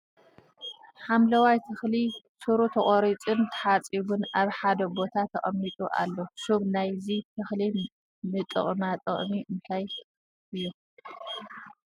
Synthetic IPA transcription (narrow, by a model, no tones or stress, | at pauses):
ħamlɐwajt̪ʰɨxli | suɾut̪ʰɐχʼoɾit͡sʼɨnt̪ʰħat͡sʼiβunaβħad̪ɐbo̞t̪ʰat̪ʰɐ̰χʼɐmːit̪ʼuʔa̰lːoʃuβnajzit̪ʰɨxli | nɨt̪ʼɨ̰χʼnat̪ʼɐ̰χʼmiʔɨnt̪ʰaj | ɨjːu